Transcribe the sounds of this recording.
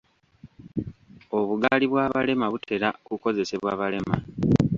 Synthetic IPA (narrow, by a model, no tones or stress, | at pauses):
o̞βuɡaliβwaːβale̞maβutʰe̞ɾakuko̞ze̞se̞βwaːβale̞ma̰